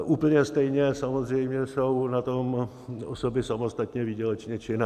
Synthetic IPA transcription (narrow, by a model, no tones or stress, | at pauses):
ʔuːpl̩ɲɛst̪ɛjɲɛsamo̞zr̝ɛjmɲɛso̞wnat̪o̞m | osobɪsamo̞st̪at̪ɲɛvɪɟɛlɛt͡ʃɲɛt͡ʃɪna